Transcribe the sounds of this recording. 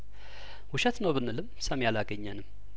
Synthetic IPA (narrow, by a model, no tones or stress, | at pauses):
wʊʃɛt̪nəwbɨnːɨlɨmsəmjalaɡəɲːənɨm